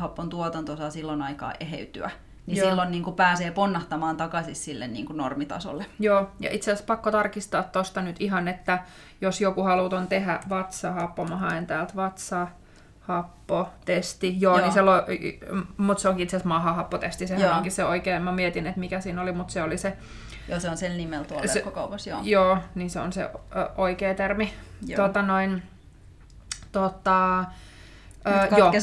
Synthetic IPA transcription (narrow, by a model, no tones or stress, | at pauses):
hɑpːont̪uot̪ɑnt̪osɑːsilːonɑikɑ̰ːʔeɦḛyt̪y̰æ̰ | nissilːonniːŋkupæːseːponːɑht̪ɑmɑːnt̪ɑkɑsissilːḛnnḭːŋkuno̰rmit̪ɑ̰so̰lːejoːjɑ̰ʔit̪seæspɑkːot̪ɑrkist̪ɑːt̪t̪ost̪ɑnyt̪iɦɑnet̪ːæ | josjokuhɑlut̪ont̪ehæʋɑt̪sɑhɑpːomɑhɑent̪æːlt̪ʋɑt̪sɑ | hɑpːot̪est̪ijoːniselo | mut̪seoŋkiit̪seæsmɑhɑhɑpːot̪est̪isehæoŋkisseoikeːmmɑmiet̪inet̪mikæsiːnolimut̪seolise | joseonsennimelt̪uoskːokɑupɑsjo̰joːniseo̰nsḛʔoikeːt̪ermit̪ot̪ːɑnoin | t̪ot̪ːɑ | øːjoː